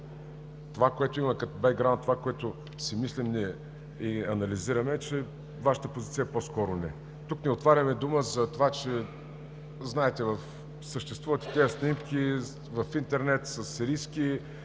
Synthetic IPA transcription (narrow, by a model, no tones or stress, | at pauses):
t̪ovakoɛt̪oimɐkɐt̪obɛɡ̚ːɾawnt̪ːovakoɛt̪ʊ | simislimnʲɛ | iɐnɐliziɾɐmɛt͡ʃɛ | vaʃə̥t̪əpozit̪sijɐposkɔɾʊnɛ | t̪ukniot̪vaɾʲəmɛd̪uməzɐt̪ovat͡ʃɛ | znaɛt̪ɛvɐf | səʃt̪ɛst̪vuvət̪i̥t̪ɛəsnʲimkʲi | vɐfint̪ɛɾnɛt̪səsɾiski